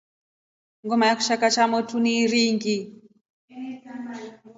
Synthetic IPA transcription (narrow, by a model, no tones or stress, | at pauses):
ŋɡɔmajaku̥ʃakat͡ʃamɔtuniɾiŋɡi